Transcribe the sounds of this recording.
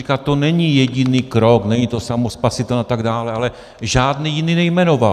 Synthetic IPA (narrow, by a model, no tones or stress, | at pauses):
ikat̪ːonɛɲijɛɟɪniːkɾoknɛɲit̪o̞samospasɪt̪ɛlat̪aɡdaːlɛalɛ | ʒaːdnijɪniːnɛjmɛno̞val